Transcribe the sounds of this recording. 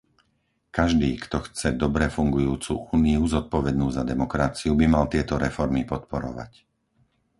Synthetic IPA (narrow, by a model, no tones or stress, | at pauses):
kaʒd̪iːkt̪ɔxt͡sɛd̪ɔbɾɛfuŋɡujuːt͡sṵʔuːniuzɔt̪̚pɔʋɛd̪nuːzad̪ɛmɔkɾat͡siubimalt̪ɪɛt̪ɔɾɛfɔɾmipɔt̪pɔɾɔ̰ʋa̰c